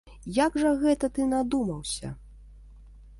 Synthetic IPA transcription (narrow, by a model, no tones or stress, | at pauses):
jaɡʐɐɣɛt̪ɐt̪ɨnad̪umɐwsʲɐ̰